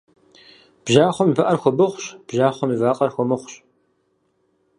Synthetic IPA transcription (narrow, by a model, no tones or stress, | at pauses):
b̥ʒaːχʷɔmipɐʔɐrxʷɔbɨχʷɕb̥ʒaːχʷɔmivaːqʼɐrxʷɔmɨχʷɕ